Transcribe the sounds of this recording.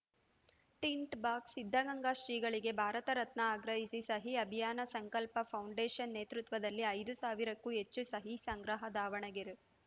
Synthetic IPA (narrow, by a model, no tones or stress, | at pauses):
ʈiɳʈbaːksid̪ʱːɐɡɐŋɡaʃɾiːɡɐɭiɡe̞bʱaːɾɐt̪ɐɾɐt̪nɐaːɡɾɐɦisisɐɦiɐbʱijaːnɐsɐŋkɐlpɐpʰɐwɳɖeːʃɐnːeːt̪ɾut̪ʋɐd̪ɐlːiɐjd̪usaːʋiɾɐkːuɦet͡ʃːusɐɦisɐŋɡɾɐɦɐd̪aːʋɐɳɐɡeɾu